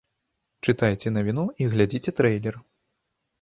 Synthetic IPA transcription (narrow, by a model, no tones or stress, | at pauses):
t͡ʂɨt̪ajt͡sʲɛnavʲinuiɣlʲad͡zʲit͡sʲɛt̪ɾɛjlʲɛr